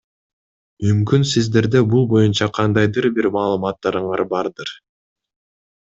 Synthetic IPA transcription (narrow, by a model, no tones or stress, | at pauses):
mymkynsizd̪e̞ɾd̪ebulˠbo̞junt͡ʃɑqʰɑnd̪ɑjd̪ɯɾbiɾmɑːlˠɯmɑt̪ːɑɾɯɴɑɾbɑɾd̪ɯɾ